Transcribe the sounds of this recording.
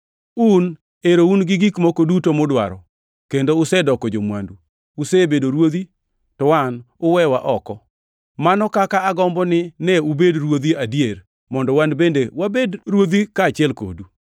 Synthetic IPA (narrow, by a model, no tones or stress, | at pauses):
un | eɾounɡɪɡikmokodutomɔdwa̰ɾɔ̰ | kendoʊsɛdɔkɔd͡ʒomwa̰nduː | sebedoɾwod̪i | tɔwan | ʊwɛwaʔɔkɔ | manɔkakaːɡɔmbɔnɪnɛubedrwod̪iadjer | mɔndɔwanbendewabedɾwod̪ikaːt͡ʃɪɛlko̰du